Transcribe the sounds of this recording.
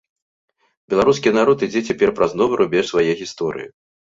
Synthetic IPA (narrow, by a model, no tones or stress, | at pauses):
bʲɛlˠaɾuskʲinaɾɔt̪id͡zʲɛt͡sʲapʲɛrpɾaznɔvɐɾubʲɛʂsvajɛɣʲist̪ɔɾɨ̰jḭ